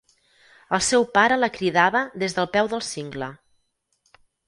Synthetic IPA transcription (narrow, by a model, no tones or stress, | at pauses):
əlˠsɛwpaɾələkɾiðaβəðezðəlˠpɛwðəlˠsiŋɡlə